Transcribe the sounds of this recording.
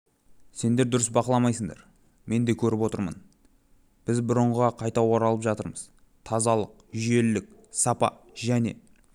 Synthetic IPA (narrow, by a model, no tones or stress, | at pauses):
se̞nd̪e̞ɾd̪ʊɾəsbɑqəlˠɑmɑjsəɴd̪ɑ̰ɾ | me̞nd̪e̞kʲʰɵɾɪpwo̞t̪əɾmə̰n | b̥ɪzbʊɾəɴʁɑqʰɑjt̪ɑwoɾɑlˠəpʒɑt̪əɾməz̥ | t̪ʰɑzɑlˠəq̚ʒʏje̞lːɪk̚sɑpɑ̰ | ʒæne̞̰